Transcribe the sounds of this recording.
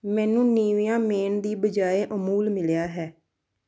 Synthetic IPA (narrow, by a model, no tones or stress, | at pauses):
mɛ̃ːnũːniːʋijãːmeːɳd̪iːbəd͡ʒaːeːʔəmuːlmɪljaːɦɛː